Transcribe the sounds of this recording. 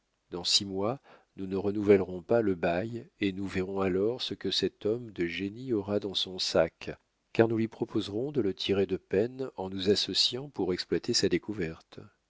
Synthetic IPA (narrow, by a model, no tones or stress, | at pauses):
d̪ɑ̃simwanunəʁənuvɛlʁɔ̃paləbajenuvɛʁɔ̃alɔʁsəkəsɛt̪ɔmd̪əʒeniɔʁad̪ɑ̃sɔ̃sak | kːaʁnulɥipχɔpʰozʁɔ̃d̪ələt̪ʰiʁed̪əpɛnɑ̃nuzasɔsjɑ̃puʁɛksplwat̪esad̪ekuvɛʁt̪